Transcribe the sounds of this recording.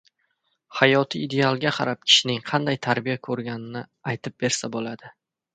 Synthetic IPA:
hajɒt̪ʰɪːd̪e̞alˠɡʲaqʰɑ̰ɾap̚kʲʰɪ̥ʃɪnɪŋqʰɑnd̪ajt̪ʰaɾbijakʰɵɾɡʲanɪnɪajt̪ʰɪp̚be̞ɾsabolad̪ɪ

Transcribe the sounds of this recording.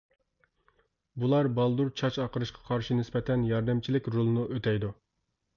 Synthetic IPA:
bulˠɑɾbɑlˠd̪uɾt͡ʃʰɑt͡ʃɑqəɾɨʃqʰɑ̥qʰɑɾʃinɪspɛt̪ʰɛnjɑɾd̪ɛmt͡ʃʰilɪkʲɾolˠnuʔøt̪ʰɛjd̪u

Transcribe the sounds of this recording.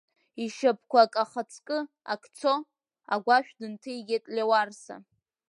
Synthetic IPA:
iʃap̚ʰkʷakʼaχat͡sʰkʼɨ | a̰kʰt͡sʰo | a̰ɡʷaʃᶣdɨntʰɨiɡʲetʼlʲewarsa̰

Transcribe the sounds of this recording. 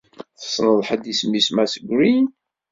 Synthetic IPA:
θə̥sˤːnəðˤħəd̪ismːismæsəɡʷɾin

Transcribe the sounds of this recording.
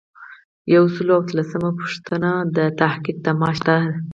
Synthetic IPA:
jawsəloawat̪lasəmapu̥ʂt̪ənad̪ət̪ahqik̚d̪amɑʃt̪a

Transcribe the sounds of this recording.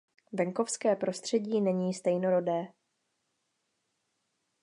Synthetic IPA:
vɛŋko̞fskɛːpɾo̞st̪r̝̥ɛɟiːnɛɲiːst̪ɛjno̞ɾo̞dɛː

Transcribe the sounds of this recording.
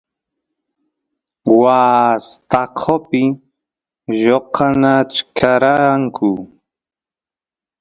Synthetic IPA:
waːst̪aqʰopɪ | ʒoqʰanat͡ʃkʰaɾaaŋkʰʊ

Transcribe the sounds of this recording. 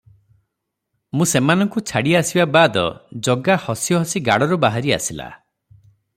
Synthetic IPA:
mũsemanɔŋkut͡ʃʰaɽiasibabad̪ɔ̰d͡ʒɔɡahɔsijɔɦɔsiɡaɽɔɾubaɦaɾia̰sila̰

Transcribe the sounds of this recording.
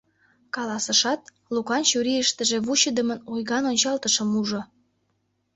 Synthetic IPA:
kɑlɑsə̆ʃɑt̪̚ | lukɑnt͡ɕuɾiəʃt̪əʒeβuɕəd̪əmənojɣɑnonʲt͡ɕɑlt̪əʃəmuʒŏ

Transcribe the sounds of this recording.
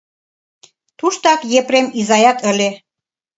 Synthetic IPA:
t̪uʃt̪ɑkjepɾemizɑjɑt̪ə̆lʲe

